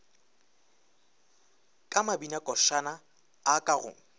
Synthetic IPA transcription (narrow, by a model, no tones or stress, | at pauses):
kʼamabinakʼɔʃanaː | kʼaɣʊ̰ŋ̩